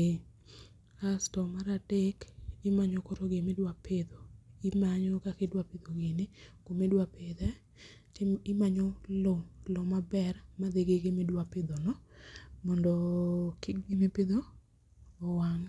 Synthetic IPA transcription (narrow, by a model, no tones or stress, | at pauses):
astɔmaɾadekɪmaɲɔkoɾoɡemedwapɪd̪oɪmaɲɔkakedwapɪd̪oɡenɪkomedwapɪd̪ɛ | ɪmaɲɔlolomabɛrmad̪eɡeɡemedwapɪd̪ɔnɔmɔndɔkɪɡemepɪd̪oː | waŋ